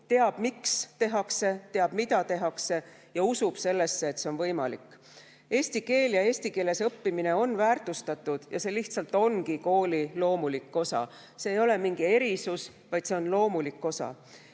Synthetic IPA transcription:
t̪e̞ɑb̥mikst̪e̞ɦɑkse̞t̪e̞ɑb̥mid̪̥ɑt̪e̞ɦɑkse̞ | jɑusub̥se̞lːe̞sːe̞ːt̪se̞onvɤjmɑ̰likːˑ | e̞ːsʲt̪ike̞ːljɑe̞ːsʲt̪ike̞ːle̞sɤpːimine̞o̞nːvæːrt̪ˑust̪ɑt̪ːˑud̪̥jɑ̰se̞ːliht̪sɑlt̪ːˑo̞nkiko̞ːlilo̞ːmulikːo̞sɑ̰ | seːjo̞le̞miŋɡie̞ɾisus | vɑjd̪̥se̞o̞nlo̞ːmulikːˑo̞sɑ̰

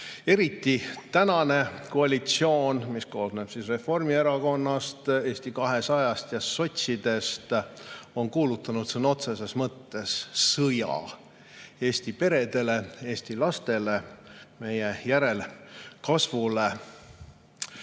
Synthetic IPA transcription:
e̞ɾit̪ːit̪ænɑne̞koɑlʲit̪sio̞ːnmisko̞ːsneb̥sisre̞fo̞rmie̞ɾɑko̞nːɑst̪e̞ːsʲt̪ikɑɦe̞sɑjɑst̪jɑso̞t̪ʲsid̪e̞st̪o̞nkuːlut̪ːˑɑnut̪sinːo̞t̪se̞se̞smɤt̪ːe̞sːɤjɑ̰ | e̞ːst̪ipe̞ɾe̞d̪̥e̞le̞e̞ːsʲt̪ilɑst̪e̞le̞me̞jejæɾe̞lkɑsvule̞

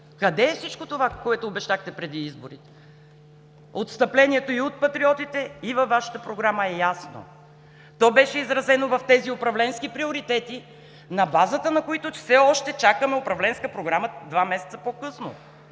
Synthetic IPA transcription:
kɐd̪ɛːfsit͡ʃkot̪ovakoɛt̪ʊːbɛʃt̪axt̪ɛpɾɛd̪iizboɾit̪ɛ̥ | ot̪st̪ɐplɛnʲiɛt̪oiot̪̚pɐt̪ɾiɔt̪it̪ɛivɐfːaʃə̥t̪əpɾoɡɾaməɛjasno̰ | t̪ɔbɛʃɛizɾɐzɛnovɐft̪ɛziʊpɾɐvlɛnskipɾioɾit̪ɛt̪i | nɐbazət̪ənɐkoit̪ofsɛɔʃt̪ɛt͡ʃakəmɛopɾɐvlɛnskəpɾoɡɾaməd̪vamɛsɛt̪səpokɤsno̰

